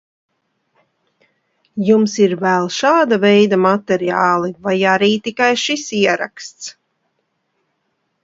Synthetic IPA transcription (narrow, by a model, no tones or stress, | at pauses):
jumsiɾvælˠʃaːd̪avɛjd̪amat̪ɛɾiaːlˠivajaɾiːt̪ikajʃisiɛɾa̰kst̪s